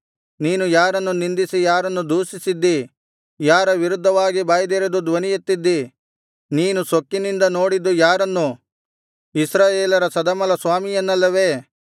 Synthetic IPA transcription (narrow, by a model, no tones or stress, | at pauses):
niːnujaːɾɐnːunind̪isijaːɾɐnːud̪uːsisid̪ːi | jaːɾɐʋiɾud̪ʱːɐʋaːɡibaːjɐd̪eːɾed̪ud̪ʋɐnijut̪ːid̪ːi | niːnusokːinind̪ɐno̞ːɽid̪ːujaːɾɐnːu | isɾaːjeːlɐɾɐsɐd̪ɐmɐlɐsʋaːmijɐnːɐlːɐʋe̞ː